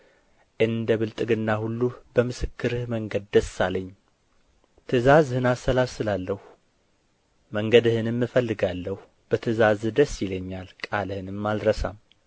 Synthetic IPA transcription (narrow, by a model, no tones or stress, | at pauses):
ʔɨnd̪əβɨlt̪ʼɨɡɨnːahulːubəmɨsɨkʰːɨɾɨhməŋɡəd̪̚d̪əsːaləɲː | t̪ʰɨzazhɨnasəlasɨlalːəh | məŋɡəd̪ɨhɨnɨmːɨfəlːɨɡalːəhu | b̥ət̪ʰɨzazd̪əsːjɪləɲːalkʼalɨhɨnɨmːalɾəsam